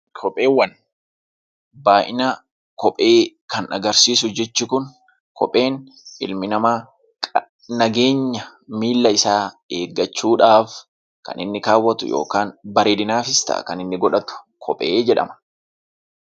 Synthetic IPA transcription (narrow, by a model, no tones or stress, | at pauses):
kʰɔpʼe̞ːwːɐn | baːʔɪnaː | kɔpʼe̞ː | kɐnɐ̰ɡɐɾsiːsʊʊd͡ʒɛt͡ʃːɪkʊn | kɔ̰pʼe̞ːn | ʔɪ̰lmɪnɐmaː | kʼ | nɐɡe̞ːɲːɐ | miːlːɐɪsaː | eːɡːɐt͡ʃːuːᶑaːf | kɐ̰nɪnːɪkaːwːɐt̪ʊ̰jo̰ːkaːnbɐɾeːd̪ɪnaːfɪst̪a̰ːkɐnɪnːɪɡɔᶑɐt̪ʊ̥ | kʰɔpʼeːd͡ʒɛᶑɐ̰mɐ̥